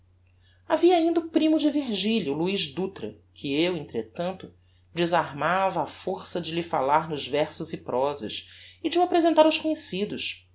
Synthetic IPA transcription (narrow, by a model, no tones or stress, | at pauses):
aviɐːĩnd̪ɐupɾĩmʊd͡ʒɪviɾʒiʎɐluiʒd̪ut̪ɾɐ̰ | kʰɪewẽnt̪ɾet̪ɐ̃nt̪ʊ | d͡ʒɪzaɾmavɐːfoɾsɐd͡ʒɪlɪfa̰laɾnʊzvɛɾsʊzɪpɾʔɔzɐ̰ʃɪd͡ʒɪuapɾezẽnt̪aɾʊʃkõɲesid̪ʊʃ